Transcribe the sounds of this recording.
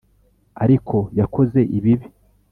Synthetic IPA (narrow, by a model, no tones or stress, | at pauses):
aɾikʰo̞jakʰo̞ze̞ʔiβiβi